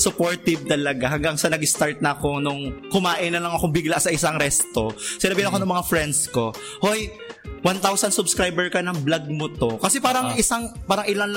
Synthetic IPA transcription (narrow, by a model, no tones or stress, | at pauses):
sʊpoɹt̪ɪb̚t̪ɐlɐɡahɐŋɡaŋsɐnɐɡɪst̪aɹt̪̚nɐːko̞nʊŋkʊmaːʔɪnɐlɐŋɐkoŋbiɡlɐsɐʔɪsaŋɾɛst̪o̞sɪnaːbɪhanɐkonɐŋmɐŋafɾɛnd̪sko̞ | hoj | want̪awsɐnsʊbskɾajbɛɹkɐnɐŋblaɡ̚mʊt̪o̞kɐsɛpaːɾɐŋʔɪsaŋpaːɾɐŋʔɪlanl